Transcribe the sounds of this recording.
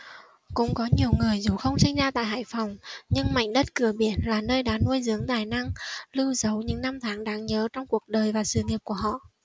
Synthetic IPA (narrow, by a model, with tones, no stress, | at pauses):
kʊ̰˧˥ŋ͡mkɔ˨˦ɲi˨˩əwŋɨ˨˩əjzu˨˩xə˧wŋ͡msï˧ŋ̟zaː˧t̪a̰ː˧˨jɦa̰ː˧˨jfa˨˩wŋ͡mɲɨ˧ŋma̰˧˨jŋ̟ɗə˦˥t̚kɨ˧˩əɓi˧˩ənlaː˨˩nəː˧jɗaː˨˦nu˧əjzɨ˨˦əŋt̪aː˨˩jna˧ŋlɨ˧wzə˨˦wɲɨ̰˧˥ŋna˧mt̪ʰaː˨˦ŋɗaː˨˦ŋɲəː˨˦t͡ɕɔ˧wŋ͡mku˨˩ək̚ɗəː˨˩jvaː˨˩sɨ̰˧˨ŋi˨˩əp̚ku˧˩əɦɔ̰˧˨ʔ